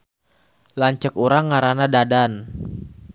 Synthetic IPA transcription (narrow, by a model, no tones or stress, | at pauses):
laɲt͡ʃəkuɾaŋːaɾanadadan